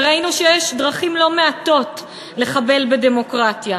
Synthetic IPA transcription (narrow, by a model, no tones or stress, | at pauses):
ʁainuʃejɛʃdʁaχimlo̞me̞at̪o̞t | le̞χabe̞lbede̞mo̞kʁatja